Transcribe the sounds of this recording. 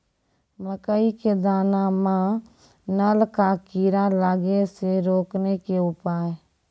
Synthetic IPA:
məkəiked̪aːnamãː | nəlkakiːɾalaːɡeseɾoːknekeʊpaːe

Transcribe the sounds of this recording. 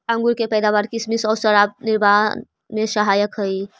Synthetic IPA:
ə̃ŋɡuɾkepəjd̪aβaɾkismisɔwsəɾab̚niɾman | mesəɦajəkɦəj

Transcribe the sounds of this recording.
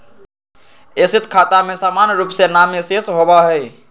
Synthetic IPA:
esit̪ʰkʰat̪amesaːmanjɾuːpsenamesesɦobaɦɛɪ

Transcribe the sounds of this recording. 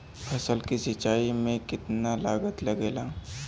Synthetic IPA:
pʰɐsəlkisɪt͡ʃaːimẽkɪt̪nalaːɡət̪lɐɡeːlaː

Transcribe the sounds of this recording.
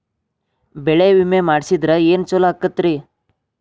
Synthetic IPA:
bɛɭeʋimemaːɖsid̪ɾeeːnt͡ʃɔlakːɐt̪ːɾi

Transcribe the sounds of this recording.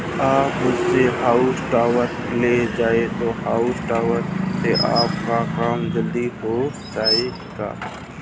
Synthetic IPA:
aːpmʊd͡ʒseɦaːʊsʈaːʋəɾled͡ʒaːet̪ohaːʊsʈaːʋəɾseʔa̰ːpkakaːmd͡ʒəld̪iɦo | d͡ʒaːe | ɡa̰ː

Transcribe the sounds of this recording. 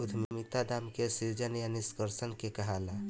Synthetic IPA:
ʊd̪ʱmmit̪ad̪aːmkesiɾd͡ʒənjaniskəɾsənkekɐɦala

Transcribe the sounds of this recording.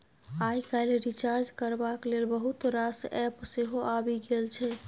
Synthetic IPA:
ajkaleɾit͡ʃaɾd͡ʒkəɾbaklelbəɦut̪ɾasɛpseɦoʔabiɡelt͡ʃʰɛ

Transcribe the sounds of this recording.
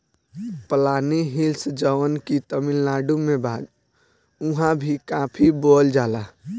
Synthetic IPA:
pəlaniɦilsd͡ʒəʋənkit̪əmilnaɖumebad̪ | uɦãbʱikãpʰibold͡ʒala

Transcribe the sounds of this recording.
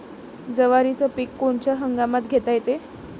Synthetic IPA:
d͡zəʋaɾit͡səpikːoɳt͡ɕjaɦəŋɡamat̪ɡʱet̪ajet̪e

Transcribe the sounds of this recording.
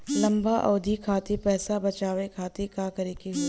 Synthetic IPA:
lɐ̃mbaʔɔːd̪ʱikʰaːt̪ipɛːsabɐt͡ʃaːʋekʰaːt̪ikaːkɐɾeːkiɦo

